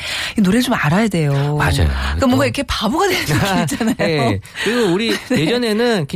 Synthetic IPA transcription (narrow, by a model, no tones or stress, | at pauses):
inoɾɯɭt͡ɕomaɾajade̞joma̰d͡ʑa̰jo̰k͈amwʌŋɡaikʰe̞pabuɡadejadit͡ɕ͈anajoekɯɾiɡouɾined͡ʑʌne̞nɯnk